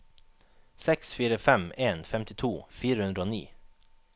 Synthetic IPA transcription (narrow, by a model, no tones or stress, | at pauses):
sɛksfiːɾəfɛmeːnfɛmt̪ɪt̪ʰuːfiːɾəhʉnd̪ɾəoːnḭː